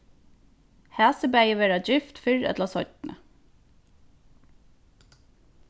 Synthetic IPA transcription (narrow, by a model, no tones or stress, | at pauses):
hæːsəbæɪəʋeːɾɑd͡ʒʏft̪fʏɹɛ̰t̪lɑsɔʏt̪nə̰